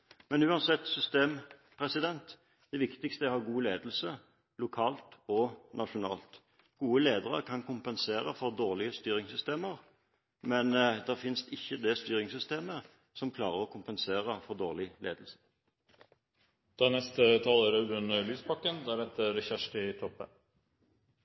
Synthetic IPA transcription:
mɛnʉːɑnsɛt̪ːsʏst̪eːmpʰʁɛsɪd̪ɛnt̪ | d̪̥ɛʋɪkt̪ɪkst̪əhɑʁɡuːleːd̪l̩sə | lʊkʰɑːlt̪ɔnʔɑʂʊnɑ̰ːlt̪ | ɡ̥uːəleːd̪əʁə̰ɾkʰɑnkʰʊmpɛnseːɾəfɔʁd̪oːʁlɪəst̪yːɾɪŋsʏst̪eːməɾ | mɛnd̪ɛʁfɪnst̪ɪçːəd̪ɛst̪yːɾɪŋsʏst̪eːmə | sɔmkʰlɑːʁəʁɔkʰʊmpɛnseːʁəfɔʁd̪oːʁlɪlḛːd̪l̩sə̥ | d̪̥ɑːnɛst̪ət̪ʰɑːləːɾəʉnəlyːspʰɑkːənd̪ɑːɾɛt̪ːəɾɛçæʂʈɪt̪ʰɔpːə

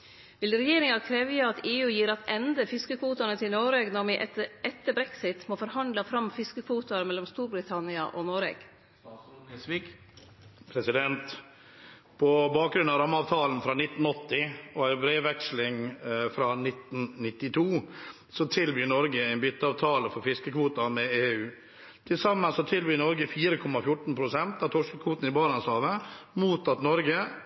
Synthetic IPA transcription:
ʋɪlɾɛjeːɾɪŋɑkʰɾɛʋjəɑt̪ʰeːʉːjiːɾɑt̪ɛnd̪əfɪskəkʰʋuːt̪ɑnət̪ʰɪlnoɾeːɡnɔɾmɪʔʔɛt̪ːəbɾɛksɪt̪moːfɔɾhɑnd̪lɑfɾɑmfɪskəkʰʋuːt̪ʊɑɾmɛlɔmst̪uːɾbɾɪt̪ʰɑnɪɑʔonoɾḛːɡ̥ | pʰɾɛsɪd̪ɛnt̪ | pʰɔbɑːk̚ɡɾʉnɑɾɑmːɑːʋt̪ʰɑːln̩fɾɑːnɪt̪n̩ɔt̪ːɪɔæɪbɾeːʋɛkslɪŋfɾɑːnɪt̪ːn̩nɪt̪ːɪt̪ʰuː | sɔt̪ʰɪlʋyːnɔɾɡəæɪnbʏt̪ːəɑːʋt̪ʰɑːləfɔɾfɪskəkʰʋuːt̪ɑmɛeːʉː | t̪ʰɪlsɑmːənsɔt̪ʰɪlʋyːnɔɾɡəfiːɾəkʰɔmɑfjʊʈːɳ̩pʰɾʊsɛnt̪ɑʋt̪ʰɔʂkəkʰʋuːt̪n̩ɪbɑːɾɑnslɑːʋəmuːt̪ɑt̪nɔɾɡə

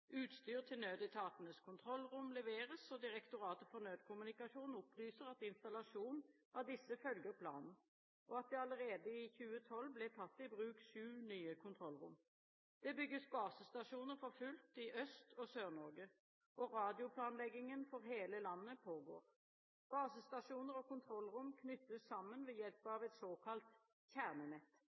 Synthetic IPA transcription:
ʔʉːt̪st̪yːʁt̪ʰɪlnøːd̪ɪt̪ʰɑːt̪ənəskʰʊnt̪ʰʁɔlːʁʊmlɛʋeːʁəsɔd̪ɪʁɛkt̪ʊʁɑːt̪əfɔʁnøːd̪kʰʊmʉnɪkɑʂuːnʊplyːsəʁɑt̪ɪnst̪ɑlɑʃuːnn̩ | ɑʋd̪ɪsːəfœlɡəʁpʰlɑ̰ːnn̩ | ʔɔɑt̪̚d̪ɛɑləʁeːd̪əɪçʉːət̪ʰɔlːblɛt̪ʰɑt̪ːɪbʁʉːkʃʉːnyːəkʰʊnt̪ʰʁɔlʁʊ̰m | d̪̥ɛbʏɡːəsbɑːsəst̪ɑʂuːnəʁfɔʁfʉlt̪ɪʔœst̪ʰɔsøːʁnɔʁɡə | ʔɔʁɑːd̪ɪʊpʰlɑːnlɛɡːɪŋənfɔʁɦeːləlɑnːəpʰoːɡoːʁ | b̥ɑːsəst̪ɑʂuːnəʁɔkʊnt̪ʰʁɔlːʁʊmkʰnʏt̪ːəsːɑmːənʋɛjɛlpɑʋɛt̪soːkʰɑlt̪ | çæʁnənɛt̪ː

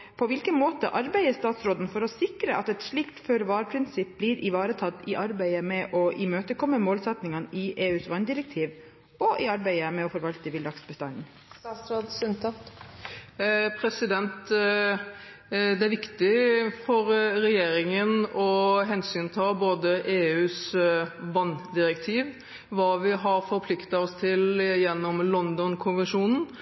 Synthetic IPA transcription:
pʰɔʋɪlkənmoːt̪əʔɑɾbæɪəst̪ɑːt̪sɾoːd̪n̩fɔɾɔsɪkɾəʔɑt̪ɛt̪ʂɭɪkt̪føːɾəʋɑːɾpʰɾɪnsɪp̚bliːɾʔɪʋɑːɾət̪ʰɑt̪ːɪʔɑɾbæɪəmɛʔɔʔɪmøːt̪əkʰɔmːəmoːlsɛt̪nɪŋɑnʔɪʔeːʉːsʋɑnd̪ɪɾɛk̚t̪ʰiːʋ | ɔʔɪɑɾbæɪəmɛɔfɔɾʋɑlt̪əʋɪld̪ɑksbəst̪ɑnn | st̪ɑsɾoːd̪sʉnt̪ʰɑt̪ | pʰɾɛsɪd̪ɛnt̪ | d̪ɛæɾʋɪkt̪ɪfɔɾɾɛjeːɾɪŋənɔɦɛnsyːnt̪ʰɑːboːd̪əʔeːʉːs | ʋɑnːd̪ɪɾɛkt̪ʰiːʋ | ʋɑːʋɪɦɑɾfɔɾpʰlɪkt̪ɑɔst̪ʰɪljɛnːɔmlɔnd̪ɔnkʰʊnʋɛnʂuːnn̩

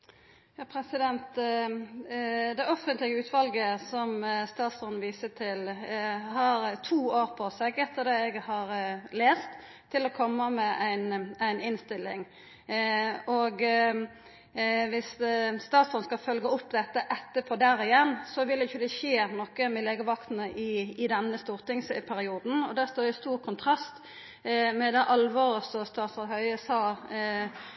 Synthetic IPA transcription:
jɑːpʰɾɛsɪd̪ɛnt̪ | d̪ɛɔfənt̪lɪɡəʉːt̪ʋɑlɡəsɔmst̪ɑːt̪sfɔnʋiːsəʈ̪ʰɪlhɑɾt̪ʰuːoːɾpʰɔsɛɡɛt̪ːəd̪ɛɛɡhɑɾleːst̪ | t̪ʰːɪlɔkʰɔmːəmɛʔæɪnæɪnɪnst̪ɪlːɪŋ | oɡ | ʋɪsːt̪ɑːt̪sɔnskɑlfœlɡəʊpːd̪ɛt̪ːəʔɛt̪ːəpʰɔːd̪æɾɪjɛnːsɔʋɪlɛɪçːəd̪ɛʃeːɾnɔkːəmɛleːɡəʋɑkt̪n̩əʔɪɪd̪ɛnːəst̪uːʁt̪ɪŋspʰæɾɪuːd̪n̩ɔd̪æʁst̪oːjʊst̪uːʁkʰʊnt̪ʰʁɑst̪ | mɛd̪ɛʔɑlʋɔɾəsɔst̪ɑːt̪sɔhœʏəsɑː

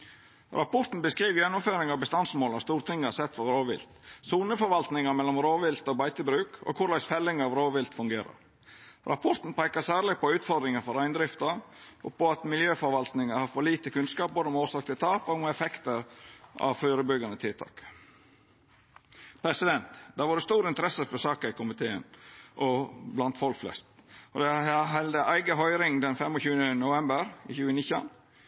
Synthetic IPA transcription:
ɾʔɑpɔɾt̪n̩bəskɾiːʋjɛnːʊmføːɾɪŋɑʋbəst̪ɑnsmoːlɑst̪uːɾt̪ʰɪŋːəɑsɛt̪ːfɔɾoːʋɪ̰lt̪suːnəfɔɾʋɑlt̪nɪŋɑmɛlːɔmɾoːʋɪlt̪ɔbɑɪt̪əbɾʉːkɔ̰kʰʊɾlæɪsfɛlːɪŋɑːʋɾoːʋɪlt̪fʉŋɡeːɾɑ̰ɾ | ɾʔɑ̰pʰɔɾt̪n̩pʰæɪkɑsæːɾlɪɡ̚pɔʉːt̪fɔɾd̪ɾɪŋəfɔɾæɪnd̪ɾɪft̪ɑɾʔɔ̰pɔɑt̪mɪljøːfɔɾʋɑlt̪nɪŋəɾhɑːɾfɔɾɭiːt̪əkʰʉnskɑːp̚boːd̪əɔmoːsɑːk̚t̪ət̪ʰɑːpɔɡmɛɛfɛkt̪əɾɑ̰ʋføːɾəbʏɡɑnət̪ʰɪlt̪ʰɑ̰ːk | pʰɾɛsɪd̪ɛnt̪d̪æːʋɑːɾdəst̪uːɾɪnt̪əɾɛsəfɔsɑːkəɾɪkʰʊmɪt̪ʰeːə̰nʔɔblɑnt̪fɔlkflɛ̰st̪ɔd̪ɛɦɛld̪əʔæɪɡəɦœʏɾɪŋd̪ɛnfɛmɔçʉːənənʊʋɛmbəɾɪ̰ːçʉːənɪçɑ̰n

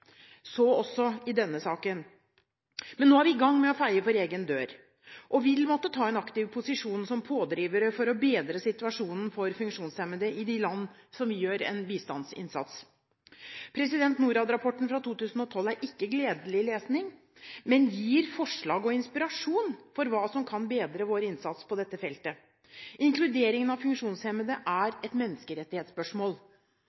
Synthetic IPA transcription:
sɔɔsːɔɪd̪ɛnːəsɑːkən | mɛnːoːhæɾʋɪɡɑŋːmɛɔfæɪəfɔɾeːɡənd̪øːɾ | ʔɔʋɪlmɔt̪ːət̪ʰɑːɛnɑkt̪ɪʋpʰʊsɪʂuːnsɔmpʰoːd̪ɾiːʋəɾəfɔɾɔbeːd̪ɾəsɪt̪ʉɑʂuːnən̩fɔɾfʉŋkʂuːnsɛmːəd̪əʔɪd̪ɪlɑnːsɔmʋɪjøːɾɛ̰nbiːst̪ɑnsɪ̰nsɑ̰t̪s | pʰɾɛsɪd̪ɛnt̪nuːɾɑd̪ɾɑpʰɔʈːn̩fɾɑt̪uːt̪ʉːsn̩ɔt̪ʰɔlːæɾʔɪkːəɡleːd̪əlɪleːsnɪŋ | mɛnjiːɾfɔʂɭɑːɡɔɪnspɪɾɑʂuːnfɔɾʋɑːsɔmkʰɑnbeːd̪ɾəʋoːɾəɪnsɑt̪spʰɔd̪ɛt̪ːəfɛlt̪ə | ʔɪŋklʉd̪eːɾɪŋənɑʋfʉŋkʂuːnshɛməd̪əʔæɾɛt̪mɛnːəskəɾɛt̪ːɪheːt̪spœʂmoːl

